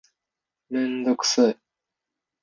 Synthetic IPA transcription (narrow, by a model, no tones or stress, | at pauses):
mẽnd̪okɯ̟̥sɨ